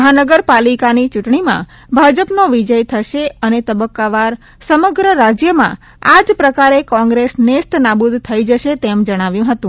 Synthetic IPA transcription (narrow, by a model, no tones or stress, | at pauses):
məɦanəɡəɾpalikanit͡ʃuʈɳimã̰ | bʱad͡ʒəpnoʋid͡ʒəjt̪ʰəʃeənet̪əbəkːaʋaɾ | səməɡɾəɾad͡ʒjəmã̰ | ad͡ʒpɾəkaɾekɔ̃ŋɡɾesnest̪nabud̪ʱt̪ʰːəid͡ʒəʃet̪emd͡ʒəɽ̃aʋjũɦət̪ũ